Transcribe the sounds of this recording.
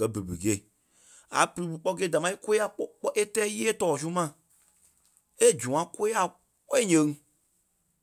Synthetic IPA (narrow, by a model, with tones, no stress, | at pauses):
ɜ˨be˨bḛ˨ɡe˨i˨ | a̰˨pɨ˨˧ɾi˨˧bɨ˨k͡pɔ˦ɡe˦da˨mã˧˦i˦ko˦a˦k͡pɔ˦k͡pɔ˦ʔe˦tɛː˦jeː˦tɔː˦˨s̬u˦mã˨ | e˦˨d͡ʒũ˨ã˨ko˦a˦˨ | kɔ˦i˦ɲɛ̃˨˧ŋ˦